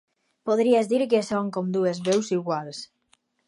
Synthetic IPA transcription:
poðɾiazðiɾkesoŋkomd̪uezβewsiɣwals

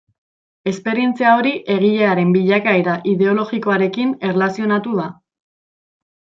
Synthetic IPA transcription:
e̞spe̞ɾie̞nt͡siao̞ɾiʔe̞ɣ̞iʎe̞aɾe̞mbiʎakajɾaʔiðe̞o̞lo̞ɣiko̞aɾe̞kine̞rlasio̞nat̪uða

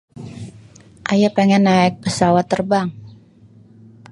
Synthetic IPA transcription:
ʔajapeŋɛnːaɛk̚pəsawat̪ːərbaŋ

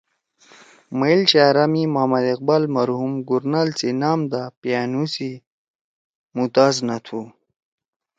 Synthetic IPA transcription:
mailt͡ɕaɾamimaːmad̪eq̚balmaɾhumɡuɾnalt͡sinaːmd̪apjanusi | mut̪aːznat̪ʰu

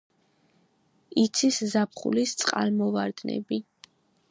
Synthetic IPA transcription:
it̪sʰiszapʰχṵlist̪sʼqʼa̰lmɔvaɾd̪nɛ̰bi

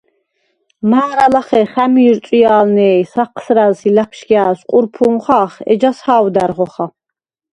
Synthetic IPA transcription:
maːɾalaχɛχæmiːɾt̪ʼiaːlnɛːsaqʰsɾælsilapʰʃkaːsqʼuɾpʰumχaːχɛ̰d͡ʒashaːwd̪æɾʁɔχa

